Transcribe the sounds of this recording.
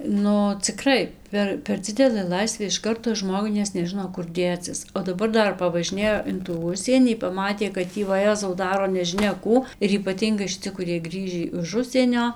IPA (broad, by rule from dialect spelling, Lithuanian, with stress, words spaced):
ˈnʊ t͡sʲɪˈkrɐɪ ˈpʲɛr pʲɛr ˈd͡zʲɪdʲɛlˠɘ ˈlˠɐɪsʲʋʲeː ɪʃ ˈkɐrtoː ˈʒmoːɡʊɪ nʲɛs nʲɛˈʒɨnoː kʊr ˈdʲeːt͡sʲɪs oː dɐˈbɐr ˈdɐr pɐʋɐʒʲɪˈnʲeːjoː ɪn tuː ˈʊʃʲsʲiɛnʲiː pɐˈmɑːtʲeː kɐt ˈtʲiː ʋɐˈjæːzɐʊ ˈdɑːroː nʲɛʒʲɪˈnʲɛ ˈkuː ɪr iːpɐˈtʲiːŋɡɐɪ ʃʲɪˈt͡sʲɪ kʊˈrʲiɛj ˈɡrʲiːʒʲiː ɪʃ ˈʊʃʲsʲiɛnʲoː